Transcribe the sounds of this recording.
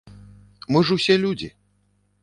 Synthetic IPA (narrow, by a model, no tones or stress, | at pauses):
mɨʐɨwsʲɛlʲud͡zʲḭ